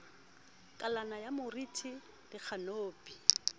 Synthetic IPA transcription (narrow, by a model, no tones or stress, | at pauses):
kʼalanajamʊritʰi | dɪk͡xʰanoːpʼi